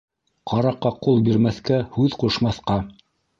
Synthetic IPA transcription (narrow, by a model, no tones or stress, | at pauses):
qʰɑɾɑqːɑqulˠbiɾmæθkæhʉðquʃmɑθqɑ